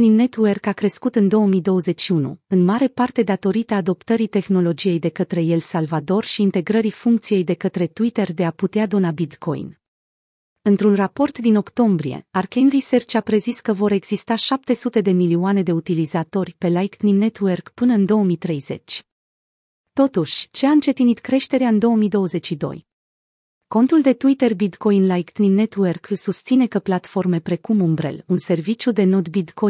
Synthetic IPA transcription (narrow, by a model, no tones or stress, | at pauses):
nimne̞t̪uwerkakɾe̞skut̪ɨnd̪o̞wəmijd̪o̞wəze̞t͡ʃːiunṵɨnmaɾe̞part̪e̞d̪at̪o̞ɾit̪aːd̪o̞pt̪əɾit̪e̞xno̞lo̞d͡ʒije̞jd̪e̞kət̪ɾe̞je̞lsalvad̪o̞rʃiːnt̪e̞ɡɾəɾifuŋkt̪sije̞jd̪e̞kət̪ɾe̞t̪uit̪e̞rd̪e̞aput̪ead̪onabit̪kʰo̞̰jn | ɨnt̪ɾunrapo̞rt̪d̪ino̞kt̪o̞mbɾije̞̰arkenrise̞rt͡ʃapɾe̞ziskəvo̞ɾe̞ɡz̥ist̪aʃap̚t̪e̞sut̪e̞d̪e̞milioane̞d̪e̞ut̪ilizat̪o̞rʲpe̞lajkt̪nimne̞t̪uwerkpɨnəɨnd̪o̞omit̪ɾe̞jzet͡ʃʲ | t̪o̞t̪uʃʲt͡ʃe̞aɨnt͡ʃe̞t̪init̪kɾe̞ʃt̪e̞ɾeaɨnd̪o̞əmid̪o̞wəze̞t͡ʃʃid̪o̞̰j | ko̞nt̪uld̪e̞t̪uit̪erbit̪ko̞jinlajkt̪nimne̞t̪uwerkɨlsust̪sine̞kəplat̪fo̞rme̞pɾe̞kumumbɾe̞̰lunse̞rvit͡ʃjud̪e̞no̞d̪bit̪ko